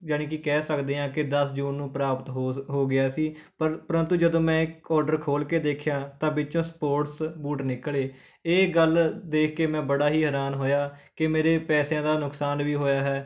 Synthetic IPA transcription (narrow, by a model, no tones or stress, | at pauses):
d͡ʒəɽ̃ẽːkɪkɛːsəkd̪eːɦãːkɪd̪əsd͡ʒuːnːũːpɾaːpət̪ɦɦoːɡɪjaːsiː | əɾpəɾə̃nt̪uːd͡ʒəd̪õːmɛ̃ːɪkɔːɾɖəɾkʰoːlkeːd̪eːkʰjãːt̪ãːbɪtːt͡ʃõːspoːɾʈsbuːʈnɪkːleː | eːɡəld̪eːkʰkːeːmɛ̃ːbəɽaːɦiːɦəɾaːnɦoːjaːkɪmeːɾeːpɛːsjãːd̪aːnʊksaːnʋiːɦoːjaːɦɛː